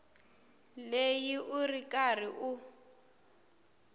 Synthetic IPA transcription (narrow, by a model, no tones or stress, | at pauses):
lejiʔurikʼariʔu